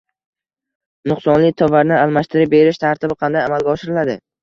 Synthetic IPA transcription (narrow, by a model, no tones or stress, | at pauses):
nʊχsɒnlɪt̪ʰɒvaɾnɪalˠmaʃt̪ʰɪɾɪp̚be̞ɾɪʃt̪ʰaɾt̪ʰɪbɪqʰɑnd̪ajamalˠɡʲaɒʃɪɾɪlad̪ɪ